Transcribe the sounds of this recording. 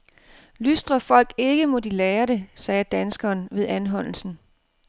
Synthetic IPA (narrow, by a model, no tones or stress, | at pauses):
lysd̥ʁɐfɒ̽l̰ɡ̥e̝ɡ̥əmɔ̽d̥ileːɐɾe̝sɛːd̥ænsɡ̥ɒːnʋe̝ðˠænɦɒ̽n̰l̩sn̩